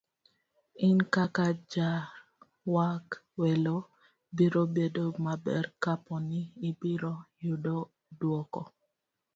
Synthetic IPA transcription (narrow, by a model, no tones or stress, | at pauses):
ɪnkakad͡ʒa | wakwɛlo | biɾobedomabɛ̰rkapɔnɪːbiɾojudo | dwɔkɔ